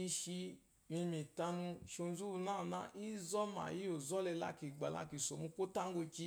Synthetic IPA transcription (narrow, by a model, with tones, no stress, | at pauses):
i˧ʃi˧ | mĩ˧mĩ˨ta˧nũ˧˨ʃo˧n˦zu˦˧nãː˦˨na̰˧˦ʔi˦zɔ˦ma̰˨ji˦o˨zɔ˦lɛ˧la̰˧ki˨ɡ͡ba˨la̰˧ki˨so˨mũ˧ko˦ta˦ɡo˧t͡ʃi˧